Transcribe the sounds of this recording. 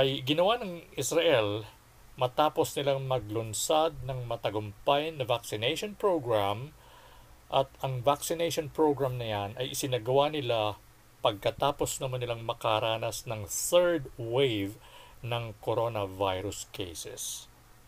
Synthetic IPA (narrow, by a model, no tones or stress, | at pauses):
ʔɐjɡɪnɐwanɐŋʔɪsɾɐʔɛl | mɐt̪aːpo̞snɪlaŋmɐɡ̚lʊnsad̪̚nɐŋmɐt̪ɐɡʊmpajnɐvaksɪnɛjʃonpɹoɡɹam | ʔɐt̪̚ɐŋvaksɪnɛjʃonpɹowɡɹamnɐjanɐjʔɪsɪnaɡɐwanɪla | pɐɡ̚kɐt̪aːpo̞snɐmɐnɪlaŋmɐkaɾaːnɐsnɐŋθɛɹd̪wejvnɐŋkoɾo̞nɐvajɾʊskʰḛjsɛ̰s